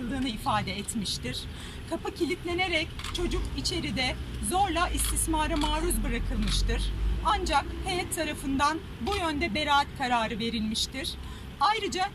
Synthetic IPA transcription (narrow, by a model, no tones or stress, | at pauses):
lˠd̪ɯːnɯifaːd̪ɛɛt̪miʃt̪iɾ̥ | kʰapɯcʰilʲit̪lʲe̞ne̞ɾɛct͡ʃʰo̞d͡ʒukit͡ʃʰe̞ɾid̪ɛzo̞ɾlˠaʔist̪ʰismaːɾɯmaːɾuzbɯɾakʰɯlˠmɯʃt̪ɯɾ̥and͡ʒakhejɛt̪ʰːaɾafɯnd̪an | bujønd̪ɛbe̞ɾaːt̪kʰaɾaːɾɯve̞ɾilʲmiʃt̪iɾ̥ | ajɾɯd͡ʒa